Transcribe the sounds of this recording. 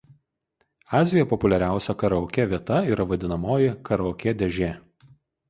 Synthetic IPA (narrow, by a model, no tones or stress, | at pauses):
ɑːzʲɪjopɔpʊlʲɛɾʲæˑʊsʲɛkɐɾɔʊkʲɛʋʲiɛt̪ɐiːɾɐʋɐd̪ʲɪnɐmoːjɪkɐɾɔːkʲɛd̪ʲɛʒʲeː